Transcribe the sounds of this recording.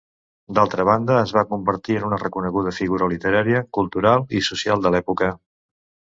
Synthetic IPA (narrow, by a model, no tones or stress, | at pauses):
d̪alˠt̪ɾəβand̪əːzβakumbəɾt̪iənunərəkunəɣuð̞əfiɣuɾəlit̪əɾaɾiəkulˠt̪uɾalˠisusialˠd̪əlɛpukə